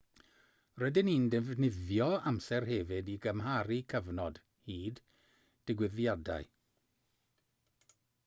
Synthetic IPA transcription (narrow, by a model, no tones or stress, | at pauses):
rədɪnindɛvnɪðjɔamsɛrɦɛvɪdiɡəmɦaɾikʰəvnɔd̥ | hiːd | d̥ɪɡwɪðjada̰ɨ